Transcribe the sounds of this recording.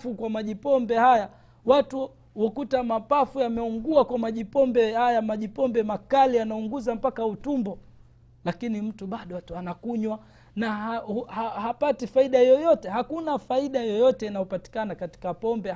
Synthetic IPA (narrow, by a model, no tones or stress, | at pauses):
fukwamaʄipɔmbɛhaja | watu | wɔkutamapafujamɛuŋɡuakwamaʄipɔmbɛhajamaʄipɔmbɛmakalianauŋɡuzam̩pakautumbɔ | lakinim̩tuɓaɗɔanakuɲwa | naahahapatifaiɗaijɔjɔtɛhakunafaiɗajɔjɔtɛinajɔpati̥kanakati̥kapɔmbɛ